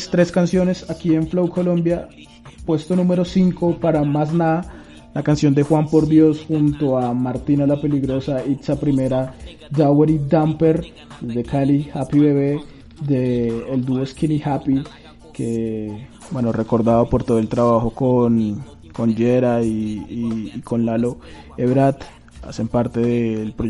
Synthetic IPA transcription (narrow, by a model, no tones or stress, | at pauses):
st̪ɾe̞skansjo̞ne̞sakie̞ɱflowko̞lõ̞mbja | pwe̞st̪o̞nume̞ɾo̞siŋko̞paɾamas̬na | lakansjo̞nd̪e̞xwampo̞ɾd̪jo̞sxunt̪o̞amaɾt̪inalape̞liɣɾo̞sait̪sapɾime̞ɾa | d͡ʒaweɾid̪ampe̞ɾ | d̪ezd̪e̞kalihapiβeβe | d̪eːld̪uoeskinihapi | ke | bwe̞no̞re̞ko̞ɾd̪aðopo̞ɾt̪o̞ðoe̞lt̪ɾaβaxo̞kon | ko̞nd͡ʒeɾaiː | ko̞nlalo̞ | eβɾat̪ | a̰se̞mpaɾt̪e̞ðelpɾo